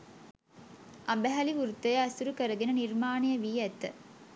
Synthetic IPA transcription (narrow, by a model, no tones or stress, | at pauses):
ʔɐmbɐɦɐliʋuɾut̪ːɐjɐɐsuɾukɐɾɐɡenəniɾmaːnijɐʋiːæt̪ːə̰